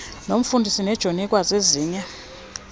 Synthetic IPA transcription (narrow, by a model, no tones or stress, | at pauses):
nom̩fundʱisinɛd̥ʒ̥ʱonik̬ʼwazeziːɲa